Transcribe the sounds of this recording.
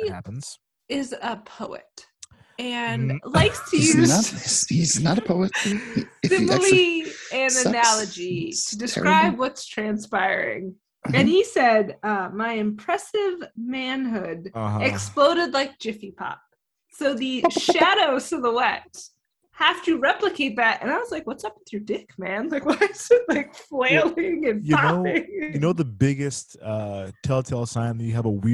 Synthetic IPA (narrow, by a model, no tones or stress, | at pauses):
ɪzəpʰoʊɨ̰t̚ | ɨ̃nlaɪkstʰɨjʉ | iznəɾəpʰoʊɨt | sɪ̃mlˠiɨ̃nɨnælˠəd͡ʒitʰɨdɨskkɹaɪɪbwʌtstʰɹ̥æ̃nspaɪɹɪ̰̃ŋ | ɨ̃nisɛdʌmaɪɨ̃mpʰɹ̥ɛsɪvmæ̃nɦʊdʌɦʌɨksploʊɾɨdˡlaɪk̚d̥ʒ̥ɪfipʰɑ̰p̚ | soʊðɨʃæɾoʊz̥ʌðəwɛt | hæftɨɹɛpləkʰeɪt̪̚ðætɨ̰̃ñaɪwʌzlaɪkwʌtsʌpn̩θɹʉdɪkmæ̃nlaɪkwaɪz̥ɨt̚laɪkfleɪlˠɪ̃ŋɨ̃njɨɑnoʊɪŋjɨnoʊðəbɪɡɨstʌtʰɛlˠtʰeɪlˠsãɪ̃nðɨt͡ʃɨːvəwi